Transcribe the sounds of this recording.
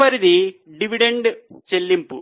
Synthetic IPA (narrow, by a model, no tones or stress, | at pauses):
ɐɾid̪iɖiʋiɖeɳɖt͡ʃelːimpu